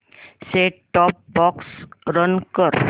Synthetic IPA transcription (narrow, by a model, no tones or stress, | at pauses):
seʈɔp̚bɔksɾʌnkɔɾ